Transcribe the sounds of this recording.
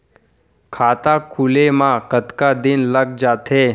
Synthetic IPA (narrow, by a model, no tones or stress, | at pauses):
kʰat̪akʰulemãkət̪kad̪inləɡ̚d͡zat̪e